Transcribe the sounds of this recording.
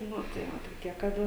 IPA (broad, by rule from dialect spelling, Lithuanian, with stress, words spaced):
ˈnʊ tɐɪ ˈʋɐ toːˈkʲiɛ kɐˈdɐ